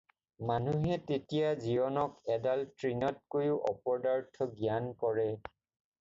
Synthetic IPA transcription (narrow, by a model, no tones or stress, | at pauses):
manuɦɛtetijazibɔnɔkɛdaltɹinɔt̚kojʊʔɔ̰pɔɹdaɹtʰɔɡijankɔɹɛ